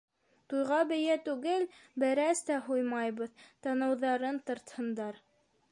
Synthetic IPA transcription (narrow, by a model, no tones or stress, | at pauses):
t̪ujʁɑbɘ̆jæt̪ʉɡɘlbɘ̆ɾæst̪æɦujmɑjβɤðt̪ɑnɤ̆wðɑɾɤnt̪ɤ̆ɾt̪hɤ̆nd̪ɑɾ